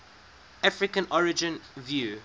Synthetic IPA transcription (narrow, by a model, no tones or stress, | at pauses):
afɹɪkə̃nɔɹɪd͡ʒə̃nvjuː